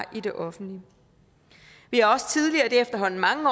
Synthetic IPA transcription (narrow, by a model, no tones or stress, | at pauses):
ʔid̥e̝ʔɒ̽fn̩d̥li | ʋihɑ̈ɒ̽sə̥t͡sʰið̞ˠliɐːd̥e̝efd̥ɐɦɒ̽n̰n̩mɑ̈ŋəɒ